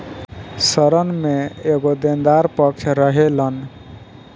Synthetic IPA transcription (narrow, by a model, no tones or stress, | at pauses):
səɾənmeeɡod̪end̪aɾpəkt͡ʃʰɾəɦelən